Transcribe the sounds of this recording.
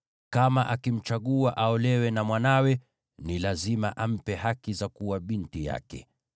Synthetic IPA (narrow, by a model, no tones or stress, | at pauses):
kamaʔakim̩t͡ʃaɠuaʔaɔlɛwɛnamwanawɛ | nilazimaʔam̩pɛɦakizakuwaɓintija̰kɛ̰